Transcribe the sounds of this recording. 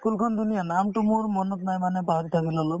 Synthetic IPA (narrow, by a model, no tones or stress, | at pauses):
kulkʰɔnd̪unijanamʈumoɹmɔnɔt̪najmanɛbaɦɾit̪ʰakilalɔ